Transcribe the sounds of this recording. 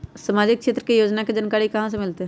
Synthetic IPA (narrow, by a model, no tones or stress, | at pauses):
səmaːd͡ʒɪk̚kʃeːt̪ɾəkejoːd͡ʒnaked͡ʒaːnkaːɾikɐɦãs̬emɪlt̪e